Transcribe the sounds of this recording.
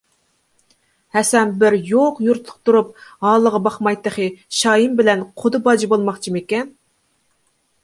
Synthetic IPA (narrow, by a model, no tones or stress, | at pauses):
hɛsɛnbɪɾjoqjuɾt̪ʰˠʊ̥q̚t̪uɾup̚hɑːlˠːəʁɑbɑχmɑjt̪ːəχɨʃɑːjimbɪlɛnqʰʊd̪ɨbɑd͡ʒibolˠmɑχt͡ʃʰimekʲɛn